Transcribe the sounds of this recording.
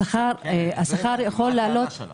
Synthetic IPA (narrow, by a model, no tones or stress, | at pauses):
χaʁasaχaʁjaχo̞lːealo̞t̪